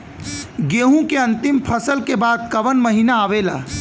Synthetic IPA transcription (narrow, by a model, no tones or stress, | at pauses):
ɡeːɦũkeɐ̃nt̪ɪmpʰəsəlkebaːd̪̚kɐʋənmɐɦiːnaːʋeːla̰ː